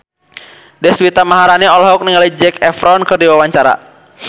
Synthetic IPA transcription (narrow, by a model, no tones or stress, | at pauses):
dɛswit̪amaɦaɾanɛɔlɔɦɔk̚niŋalid͡ʒɛkɛfɾɔnkɨrdiwawaɲt͡ʃaɾa̰